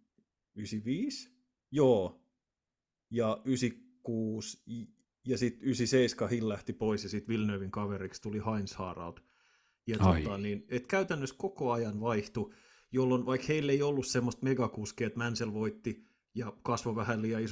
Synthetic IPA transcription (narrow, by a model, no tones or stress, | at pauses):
ysiʋiːs | joː | jɑysikːuːs | jɑsit̪ysiseiskɑhillæht̪ipoisjɑsit̪ʋilnøːʋiŋkɑʋeɾikst̪ulihɑinshɑ̰ːrɑ̰lt̪ | jɑt̪ot̪ːɑninet̪kæyt̪ænːøskokoɑjɑnʋɑiht̪u | jolːonʋɑikheilːeiolːussemːost̪meɡɑkuskiet̪mænselʋoit̪ːi | jɑkɑsʋoʋæhælːijɑis